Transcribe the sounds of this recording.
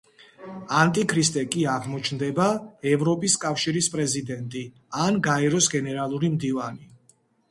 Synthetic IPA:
ant̪ʼikʰɾist̪ʼɛkʼiaʁmɔt͡ʃʰnd̪ɛbaɛvɾɔpʼiskʼafʃiɾispʼɾɛzid̪ɛnt̪ʼi | anɡaɛɾɔsɡɛnɛɾalˠuɾimd̪ivani

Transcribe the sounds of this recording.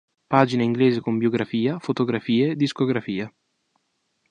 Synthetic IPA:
paːd͡ʒineiŋɡleːzekombjoɡɾafiːafot̪oɡɾafiːeːd̪ːiskoɡɾafiːa

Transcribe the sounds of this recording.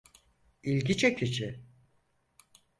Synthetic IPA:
ilʲɡʲit͡ʃʰɛcʰit͡ʃʰɪ

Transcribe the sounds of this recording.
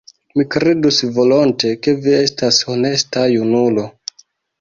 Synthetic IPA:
mikɾe̞dusvo̞lo̞nte̞ke̞vie̞staso̞ne̞stajunulo̞

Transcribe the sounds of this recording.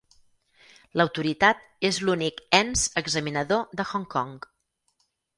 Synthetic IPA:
ləwt̪uɾit̪at̪̚ | ezlunikɛnzəɡzəminəðoðəxɔŋkɔŋ

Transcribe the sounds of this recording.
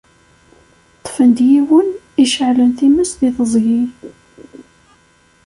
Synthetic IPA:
t̪ˤːfənd̪jiwən | iʃəʕlənθiməsðiðəzˤʝi

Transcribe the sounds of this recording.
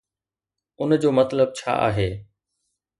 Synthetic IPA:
ʊnd͡ʑoːmɐt̪ləb̚t͡ɕʰa̰ːʔa̰ːɦeː

